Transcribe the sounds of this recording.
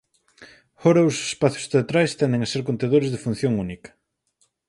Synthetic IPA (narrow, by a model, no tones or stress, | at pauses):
fɔɾɐʊse̥spaθjʊ̥st̪eat̪ɾajst̪ɛnd̪ɪŋaseɾkont̪eðoɾɪzðɪfun̟θjoŋunikɐ̥